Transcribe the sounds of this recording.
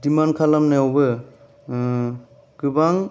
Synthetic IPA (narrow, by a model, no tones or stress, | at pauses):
dimankʰalamnajɔwbɯ | ɡɯbaŋ